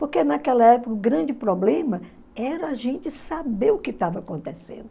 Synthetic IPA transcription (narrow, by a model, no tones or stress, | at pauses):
poɾkenakɛlɐɛpokɐʊɡɾɐ̃d͡ʒɪpɾɔblẽmɐ | ɛɾɐːʒẽnt͡ʃɪsabeʊkɪt̪avɐakõnt̪esḛ̃nd̪ʊ